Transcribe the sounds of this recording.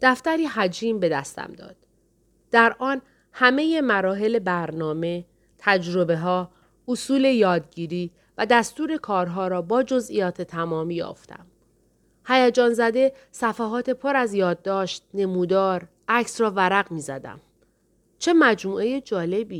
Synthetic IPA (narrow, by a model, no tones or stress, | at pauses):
d̪̥æft̪æɾiːɦæd͡ʒiːmbe̞d̪æst̪æ̰md̪ɒ̰ːd̪̥ | d̪̥æɾʔɒːn | hæme̞je̞mæɾɒːɦe̞le̞bæɾnɒːme̞ | t̪ʰæd͡ʒɾo̞be̞ɦɒː | osuːle̞jɒːd̪̚ɟiːɾiː | væd̪æst̪uːɾe̞kʰɒːɾɦɒːɾɒːbɒːd͡ʒo̞zʔijɒːt̪ʰet̪ʰæmɒːmiːjɒ̰ːft̪æ̰m | hæjæd͡ʒɒːnzæd̪e̞ | sæfæɦɒːt̪ʰe̞pʰo̞ɾæzjɒːd̪̚ːɒːʃt̪̚ne̞muːd̪ɒːɾ | æcsrɒːvæɾæɣmiːzæd̪æ̰m | t͡ʃʰe̞mæd͡ʒmuːe̞jed͡ʒɒːle̞biː